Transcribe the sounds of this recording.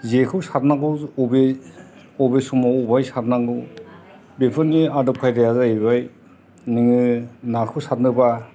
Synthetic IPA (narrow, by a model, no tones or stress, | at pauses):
zekʰɯwsat̚naɡɯɔbe | ɔbesumaubajsat̚naŋɯw | bepʰɯniadɔp̚kʰajɾajazaebaj | niŋɯnakʰɯwsat̚nɯba